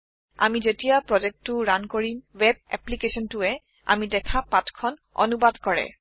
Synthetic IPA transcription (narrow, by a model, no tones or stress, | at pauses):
a̰mizetijapɹɔzɛk̚tːʊɹankoɹimwɛb̚ɛ̰plikesɔntʊɛ | a̰midɛkʰapatkʰɔnɔ̰nubadkɔɹɛ̰